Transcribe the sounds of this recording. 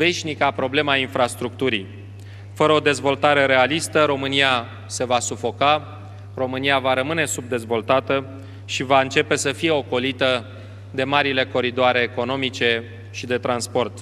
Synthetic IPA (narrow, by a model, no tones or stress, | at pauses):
ve̞ʃnikapɾo̞ble̞mainfɾast̪ɾuk̚t̪uɾi | fəɾəo̞d̪e̞zvo̞lt̪aɾe̞ɾe̞alist̪əɾo̞mɨnija | se̞vasufo̞ka | ro̞mɨniavaɾəmɨne̞sub̚d̪e̞zvo̞lt̪at̪ə | ʃivaɨnt͡ʃe̞pe̞səfije̞o̞ko̞lit̪ə | d̪e̞maɾile̞ko̞ɾid̪oaɾe̞ːko̞no̞mit͡ʃe̞ | ʃid̪e̞t̪ɾanspo̞rt̪